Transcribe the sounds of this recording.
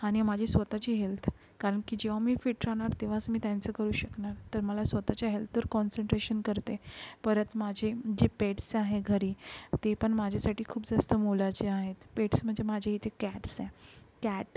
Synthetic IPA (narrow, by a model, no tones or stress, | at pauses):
aɽ̃imad͡ʑʱesʋət̪at͡ɕiːɦelt̪ʰ | kaɾəɳkiːd͡ʑeʋ̤amiːfiʈəɾañaɾt̪eʋ̤asmiːt̪jant͡səkəɾuːɕəknaɾt̪əɾməlasʋət̪at͡ɕjaɦelt̪əɾkɔnsəɳʈɾeɕənkəɾt̪epəɾət̪mad͡ʑʱed͡ʑepeʈsaɦeɡʱəɾiːt̪epəɳmad͡ʑʱasaʈiːkʰuːpd͡zast̪əmolat͡ɕeaɦet̪peʈsm̤əɳd͡zemad͡ʑʱeɦit̪ekæʈsekæʈ